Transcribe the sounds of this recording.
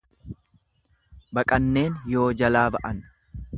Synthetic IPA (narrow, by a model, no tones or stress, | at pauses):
bɐkʼɐnːe̞ːnjo̞ːd͡ʒɐlaːbɐʔɐn